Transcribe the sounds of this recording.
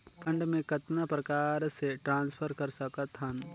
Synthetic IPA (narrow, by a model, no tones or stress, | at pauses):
pʰɐ̃ɳɖmẽkɐt̪napɾɐkaːɾseʈɾãːnspʰəɾkɐɾsɐkət̪ɦɐn